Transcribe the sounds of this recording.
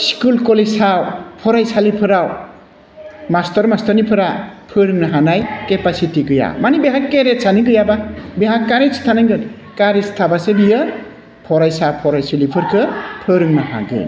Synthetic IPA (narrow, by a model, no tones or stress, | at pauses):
skulkɔlesawpʰɔɾajsalipʰɯɾaw | mastɔɾmastɔɾnipʰɯɾapʰɯɾɯŋnaɦanajkepasitiɡɯja̰manibeɦakːeɾet̚sʰaniɡɯjababeɦakːaɾesi̥tʰanajɡɯ | kaɾistʰabasebijɯ | pʰɔɾajsawpʰɔɾajsɯlipʰɯɾkʰɯpʰɯɾɯŋnaha̰ɡɯ̰n